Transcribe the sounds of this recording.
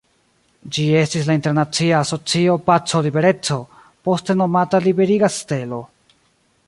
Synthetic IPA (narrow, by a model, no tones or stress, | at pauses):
d͡ʒie̞stislainte̞ɾnat͡siaːso̞t͡sio̞pat͡so̞libe̞ɾe̞t͡so̞ | po̞ste̞no̞matalibe̞ɾiɡaste̞lo̞